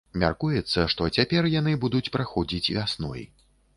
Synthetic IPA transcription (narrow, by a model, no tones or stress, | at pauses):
mʲa̰rkujɛt̪sːɐʂt̪ɔt͡sʲapʲɛrjan̪ɨbud̪ut͡sʲpɾaxɔd͡zʲit͡sʲvʲasnɔ̰j